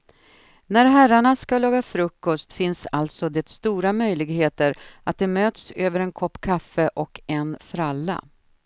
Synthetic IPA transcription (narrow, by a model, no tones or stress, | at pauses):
næɾɦæɾaɳaskalɑːɡafɾɵkːɔst̪fɪnsalt̪sɔd̪ɛt̪st̪uːɾamœjlɪɡheːt̪əɾʔat̪̚d̪ɛmøːt̪søːvəɾɛnkʰɔpːkʰafːəʔɔkɛnfɾalːa̰